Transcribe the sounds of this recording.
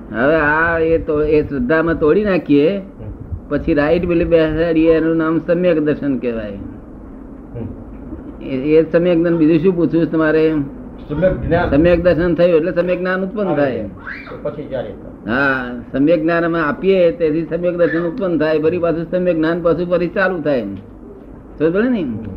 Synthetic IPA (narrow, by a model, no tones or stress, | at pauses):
ɦə̰ʋeaet̪oesɾəd̪ʱːamãt̪oɽinakʰie | pət͡ʃʰiɾaiʈbilibɛaɽienũnamsəmjəkd̪əɾʃənkɛʋa̰j | esəmjəknanbid̪ʱũʃũput͡ʃʰũt͡ʃʰt̪əmaɾe | səmjək̚d̪əɾʃənt̪ʰəjũeʈlesəmjəɡnanut̪̚pənd̪t̪ʰaj | t͡ʃʰia | ɦasəmjəɡnanəmẽapijet̪et̪ʰisəmjək̚d̪əɾʃənut̪̚pənt̪ʰajpəɾipat͡ʃʰũsəmjəɡnanpəsʰũpəɾit͡ʃalũt̪ʰaj | sobəlini